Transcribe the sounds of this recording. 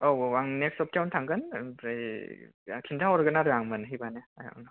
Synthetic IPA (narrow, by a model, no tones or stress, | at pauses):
ɔwaŋneksɔp̚tawntʰaŋɡɯnpʰɾej | kʰintʰawɔɾɯɡɯnaɾɯaŋmɯnɦibaneaja̰nɯ